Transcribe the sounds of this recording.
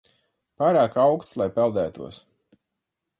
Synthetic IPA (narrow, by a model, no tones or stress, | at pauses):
paːɾaːkawkst̪slˠajpɛlˠd̪æːt̪ṵɔs